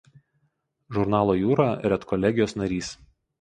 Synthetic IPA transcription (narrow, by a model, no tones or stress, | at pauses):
ʒʊɾnɑːlˠoːjuːɾɑɾʲɛt̪kʰɔlʲɛɡʲɪjoːsnɐɾʲiːs